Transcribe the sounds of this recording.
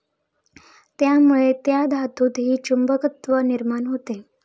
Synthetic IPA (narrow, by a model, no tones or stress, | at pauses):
t̪jamuɭet̪jad̪ʱat̪uːt̪ɦiːt͡ɕumbəkət̪ʋəniɾmanɦot̪e